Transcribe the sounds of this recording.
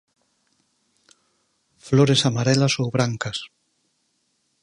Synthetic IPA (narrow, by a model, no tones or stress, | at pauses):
floɾesamaɾɛlasowβɾaŋkɐs